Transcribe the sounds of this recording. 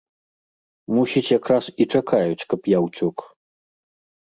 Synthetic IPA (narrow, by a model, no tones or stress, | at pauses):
musʲit͡sʲjakɾasit͡ʂakʰajut͡sʲkɐpjawt͡sʲɔk